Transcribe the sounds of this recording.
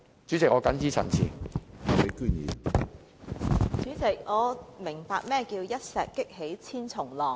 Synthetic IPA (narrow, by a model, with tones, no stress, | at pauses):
t͡syː˨˥t͡sɪ˨k̚ŋɔː˧kɐ˨˥nt͡siː˥t͡sʰɐ̰˨˩nt͡sʰḭː˨˩˨te˨˥kyː˥njḭː˨˩ | t͡syː˨˥t͡sɪ˨k̚ŋɔː˨˧mɪ˨˩ŋpaː˧k̚mɛː˥˧kiː˧wjɐ˥t̚sɛː˨kːɪ˥k̚he˨˥jt͡sʰiː˥nt͡sʰʊ˨˩ŋlɔː˨˩